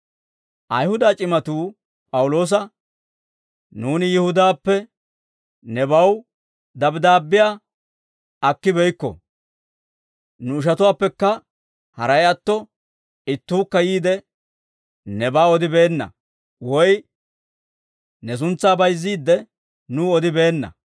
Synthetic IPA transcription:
ʔɐjhʊd̪aːt͡ʃʼɪmɐt̪uː | pʼɐwʊlo̞ːs̬ɐ | nuːnɪjɪhʊd̪aːpːɛ | nɛbɐw | d̪ɐbd̪aːbːɪjaː | ɐkːɪbɛjkːɔ̰ | nʊːʃ̬ɐt̪ʊwaːpːɛkːɐ | hɐɾɐjɐt̪ːɔ | ɪt̪ːuːkːɐjiːd̪ɛ | nɛbaːɔd̪ɪbe̞ːnːɐ̰ | wɔj | nɛs̬ʊnt͡sːaːbɐjzːiːd̪ːɛ | nʊɔd̪ɪbe̞ːnːɐ̰

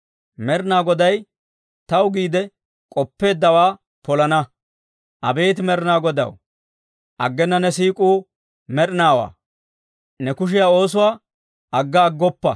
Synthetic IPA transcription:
mɛɾɪnaːɡɔd̪ɐj | t̪ɐwɡiːd̪ɛ | kʼɔpːe̞ːd̪ːɐwaː | pɔlɐnɐ | ʔɐ̰be̞ːt̪̬ɪmɛɾɪnaːɡɔd̪ɐ̰w | ʔɐɡːɛnːɐnɛsiːkʼuː | mɛɾɪnaːwa̰ː | nɛkʊʃ̬ɪjaːo̞ːs̬ʊwaː | ʔɐɡːɐːɡːɔpːɐ̰

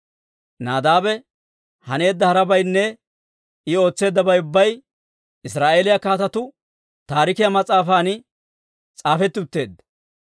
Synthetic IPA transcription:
naːd̪aːbɛ | hɐne̞ːd̪ːɐhɐɾɐbɐjnːɛ | ɪo̞ːt͡sːe̞ːd̪ːɐbɐjʊbːɐj | ɪsɾaːʔe̞ːlɪjakaːt̪ɐt̪ʊ | t̪aːɾɪkɪjɐmɐt͡sʼːaːfaːnɪ | t͡sʼaːfɛt̪ːɪʊt̪ːe̞ːd̪ːɐ

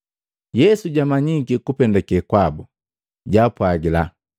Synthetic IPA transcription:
jɛsuɟamaɲikikupɛndɛkɛkwabu | ɟaːpwaɡila

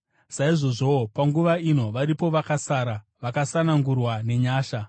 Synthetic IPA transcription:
saiʐo̞ʐo̞paŋɡuʋaino̞ʋaɾipo̞ʋakasaːɾa | ʋakasanaŋɡurwane̞ɲaːʃa

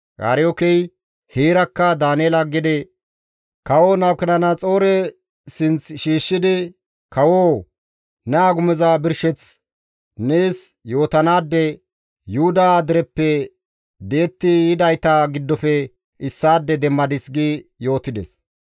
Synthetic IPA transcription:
ɡa̰ːɾɪjɔkɛj | heːɾɐkːɐd̪aːnɛɛlɐɡɪd̪ɛ | kɐwoːnɐwkɛnɐnɐt͡sʼo̞ːɾɛ | sɪnt͡sʃiːʃːɪd̪ɪ | kɐwoː | nɛaːɡʊmɛzɐbɪɾʃɛt͡s | neːsjo̞ːt̪ɐnaːd̪ːɛ | jʊʊd̪ad̪ɪɾɛpːɛ | db̪e̞ːt̪ːɪɪd̪ɐjt̪aɡɪd̪ːɔfɛ | ɪsːaːd̪ːɛd̪ɛmːɐd̪ɪsɡɪjo̞ːt̪ɪd̪ɛs

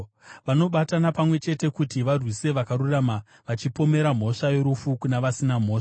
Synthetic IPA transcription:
ʋano̞ɓatanapamwe̞t͡ʃe̞te̞kutiʋarwise̞ʋakaɾuraːma | ʋat͡ʃipo̞me̞ɾam̤o̞ʂajo̞ɾufukunaʋasinam̤o̞ːʂaḁ

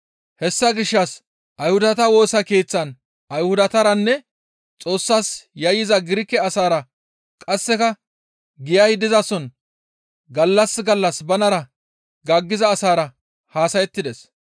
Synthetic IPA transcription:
hɛsːɐɡɪʃːɐs | ʔɐjhʊd̪ɐt̪ɐwo̞ːsɐke̞ːt͡sːɐn | ʔɐjhʊd̪ɐt̪ɐɾɐnːɛ | t͡sʼo̞ːsːaːsjɐjɪzɐɡɪɾɪkːɛɐsaːɾɐ | kʼɐsːɛkɐ | ɡɪjɐjd̪ɪzɐsɔn | ɡɐlːɐsɡɐlːɐsbɐnɐɾɐ | ɡɐɡːɪzɐːsaːɾɐ | haːsɐjɛt̪ːɪd̪ɛs

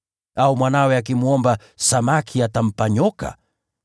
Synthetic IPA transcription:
aumwanawɛak̬imuɔmba | samakʰiatam̩paɲɔka̰

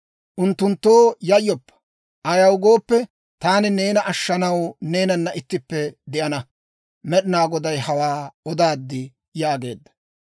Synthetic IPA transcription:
ʔʊnt̪ːʊnt̪ːoːjɐjːɔpːɐ̥ | ʔɐjɐwʊɡo̞ːpːɛ | t̪aːnɪne̞ːnɐʔɐʃːɐnɐwne̞ːnɐnːɐʔɪt̪ːɪpːɛd̪ɛʔɐnɐ | mɛɗɪnaːɡɔd̪ɐjhɐwaːɔd̪aːd̪ːɪ | jaːɡe̞̰ːd̪ːɐ̥

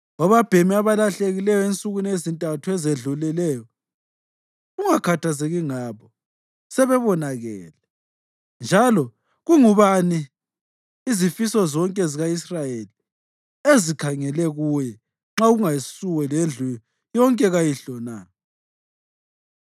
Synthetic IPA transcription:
waβab̥ʱemiaβalaɬeɣilɛjɔent͡sʼuɣunezintʼatʰuɛzeɮulɛlɛːjɔ | uŋakʰatʰazeɣiŋaβɔ | sɛβɛβɔnaɣɛ̰ːlɛ | nd͡ʒʱalɔ | ɣuŋuβaniː | zifisɔzɔŋkʼɛziɣaisrajeli | ezikʰaŋɛlɛɣujɛ | ŋ͡ǁauɣuŋajisuwɛlend͡ɮʱu | jɔŋkʼɛɣajiɬɔnaː

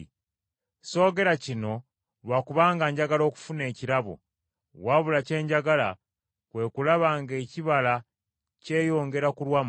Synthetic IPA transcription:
so̞ːɡe̞ɾacino̞ | βwakuβaːŋɡaːɲɟaɡalo̞ːku̥fune̞ːciɾaβo̰ | waβulace̞ːɲɟaɡala | kwe̞ːkulaβaːŋɡe̞ːciβala | ce̞ːjo̞ːŋɡe̞ɾakulwam

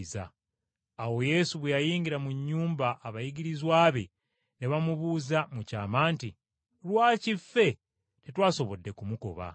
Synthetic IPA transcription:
za̰ː | wo̞je̞ːsuβwejajiːŋɡiɾamuɲːuːmbaʔːβajiɡiɾizwaːβe̞̰ | neβamuβuːzamuca̰ːmaːnti | lwaːcife̞ | tetwaːso̞βo̞dːe̞kumuko̞̰βa̰

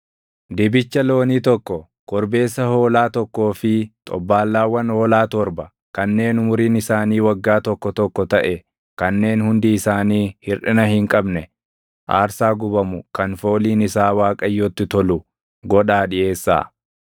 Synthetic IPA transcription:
d̪ɪbɪt͡ʃːɐlo̞ːniːt̪ɔkːɔ | ɡ̥ɔɾbe̞ːsːɐho̞ːlaːt̪ɔkːo̞ːfɪt̪ʼɔ̰bːaːlːaːwːɐnho̞ːlaːt̪ɔɾbɐ | kɐnːe̞ːnʊmʊɾiːnɪsaːniːwɐɡːaːt̪ɔkːɔt̪ɔkːɔt̪ɐʔɛ | kɐnːe̞ːnhʊnd̪iɪsaːniːhɪrʔɪnɐhɪŋkʼɐbnɛ | ʔa̰ːɾsaːɡʊbɐmʊkɐnfo̞ːliːnɪsaːwaːkʼɐjːɔt̪ːɪt̪ɔlʊ | ɡɔᶑaːᶑɪje̞ːsːa̰ː

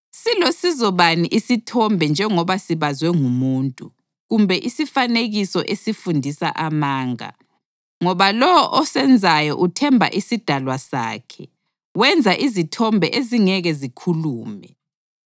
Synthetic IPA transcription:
silosizɔβaniʔisitʰɔmbʱɛnd͡ʒʱɛŋɔβasiβazwɛŋumuːntʼu | ɣumbʱɛʔisifaneɣisɔʔesifundʱisa̰ʔamaːŋa̰ | ŋɔβalɔʔɔsɛnd͡zʱajɔʔutʰɛmbʱa̰ʔisid̥ʱalwasa̰ːkʰɛ | wɛnd͡zʱaʔizitʰɔmbʱɛʔeziŋɛɣɛzikʰuluːmɛ

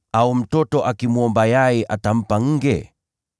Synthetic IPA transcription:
aum̩tɔtɔʔakimuɔmbajajɛʔatam̩paŋ̩ɡɛ̰

